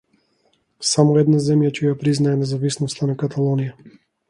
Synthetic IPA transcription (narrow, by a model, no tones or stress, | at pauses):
samɔɛd̪nazɛmjat͡ʃɛjapɾiznaɛnɛzavisnɔst̪anakat̪ʰalˠɔnija